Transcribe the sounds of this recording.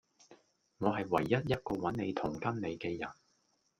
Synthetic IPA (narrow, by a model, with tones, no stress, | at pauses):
ŋɔː˨˧ɦɐ˨jwɐ˨˩jːɐ˥t̚jɐ˥t̚kɔː˧wɐ˨˥nne˨˧jt̪ʰʊ˨˩ŋkɐ˥nne˨˧jkɛː˧jɐ˨˩n